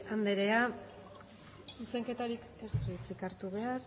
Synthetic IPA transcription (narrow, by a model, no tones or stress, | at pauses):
and̪e̞ɾe̞a | suse̞ŋke̞t̪aɾik | espɾit͡sikaɾt̪uβe̞aɾ